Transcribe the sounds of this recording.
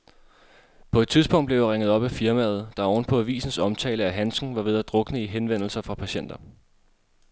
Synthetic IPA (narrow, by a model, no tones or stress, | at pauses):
pʰɒ̽ed̥̚t͡sʰiðˠsb̥ɔ̽ŋ̰d̥ble̝ʊʁeŋəð̞̩ˠɒ̽b̥æfiɐmæð̞̩ˠd̥ɑ̈ɒʊn̩pʰɒ̽æʋḭːsn̩sɒ̽mt͡sʰɛ̰ːləæɦænsŋ̩ʋɑ̈ʋe̝ðˠæd̥ʁɔ̽ɡ̥ənəiɦenʋen̰l̩sɐfʁɑ̈pʰæɕen̰d̥ɐ